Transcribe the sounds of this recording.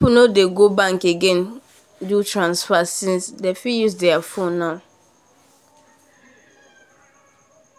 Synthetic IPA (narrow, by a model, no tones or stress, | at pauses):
ipunodeɡobãŋkeɡẽn | dutɹãnsfasĩnsdefijusdɛafõnːaʊ